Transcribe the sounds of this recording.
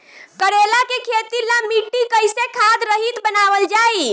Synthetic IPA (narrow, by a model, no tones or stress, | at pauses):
kəɽelakekʰet̪ilamiʈːikəjsekʰad̪ɾəɦit̪bənaʋəld͡ʒai